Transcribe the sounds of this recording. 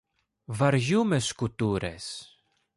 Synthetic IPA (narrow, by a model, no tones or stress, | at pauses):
vaɾʝumeskut̪uɾḛs